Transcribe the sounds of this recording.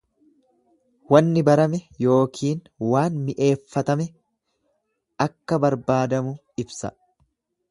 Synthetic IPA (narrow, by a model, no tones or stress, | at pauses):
wɐnːɪbɐɾɐmɛjo̞ːkʰiːn | waːnmɪʔe̞ːfːɐt̪ɐmɛ | ʔɐkːɐbɐɾbaːd̪ɐmʊ | ɪbsɐ̰